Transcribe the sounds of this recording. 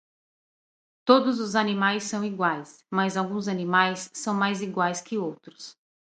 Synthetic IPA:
t̪od̪ʊzʊzanimajsːɐ̃w̃iɡwajs | mɐzawɡũzɐnĩmajsːɐ̃w̃majziɡwajskɪowt̪ɾʊ̥s

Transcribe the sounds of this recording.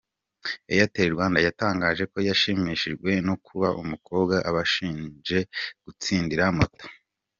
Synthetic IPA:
ejateɾɡwaːndajataːŋɡaːʒe̞ko̞jaʃimiʃiʒɡwe̞nokʰuβaʔumuko̞ːbɡaʔaβaʃiːnd͡ʒe̞ɡ̥ut͡siːndiɾamoto̥

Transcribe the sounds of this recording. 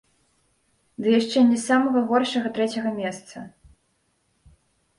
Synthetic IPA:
d̪ɨjaʂt͡ʂɛnʲɛsamɐɣɐɣɔrʂɐɣɐt̪ɾɛt͡sʲɐɣɐmʲɛst̪sɐ̰

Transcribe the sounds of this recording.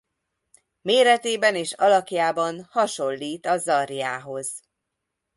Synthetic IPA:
meːɾɛt̪eːbɛneːʃɒlɒkjaːbɒnhɒʃo̞lːiːt̪ɒzɒrjaːɦo̞z̥

